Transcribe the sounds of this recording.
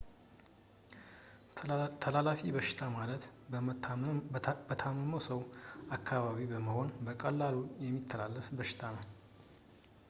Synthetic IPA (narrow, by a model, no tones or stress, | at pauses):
t̪ʰəlalafibəʃɪ̥t̪ʰamalət̪ | b̥ət̪ʰamːəməwsəwakʰːaβaβibəməho̞nbəkʼəlːalujɛmːit̪ʰːəlalːəfbəʃɪ̥t̪ʰanəw